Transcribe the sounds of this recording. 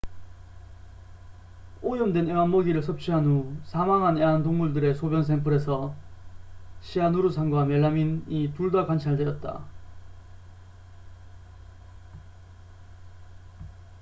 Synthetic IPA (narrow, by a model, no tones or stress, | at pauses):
ojʌmdweneŋanmʌɡiɾɯɭsʰʌp̚t͡ɕ͈ʰiɦanusʰamaŋɦaneɦantoŋmuɭdɯɾe̞sʰobjʌns̬ʰempʰɯɾe̞sʰʌ | ɕʰianuɾusʰaŋɡwamjeɭːaminituɭdakwant͡ɕʰaɭdejʌt̚t͈a̰